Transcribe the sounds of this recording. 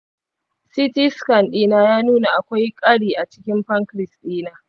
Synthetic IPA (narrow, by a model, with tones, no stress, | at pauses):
si˦tɪ˦skɐ˨nɗiː˦naː˦jaː˦nuː˦na˨ʔa˨kʷa˦jkʼɐ˦ɽiː˨ʔa˨t͡ʃɪ̥˦kʲɪ˦mɸɐ˦ŋkɾɪ˨sɗiː˦naː˨